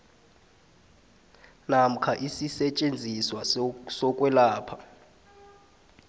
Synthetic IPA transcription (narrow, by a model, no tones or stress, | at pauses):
nam̩kʰaʔisisɛt͡ʃʼend͡zʱiswasɔkʼwɛlaːpʰḁ